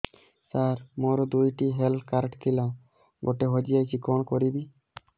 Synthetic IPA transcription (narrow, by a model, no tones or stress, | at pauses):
saɾmoɾɔd̪ujʈiɦelkaɾʈt̪ʰila | ɡoʈeɦɔd͡ʒijajsikɔɽ̃kɔɾibi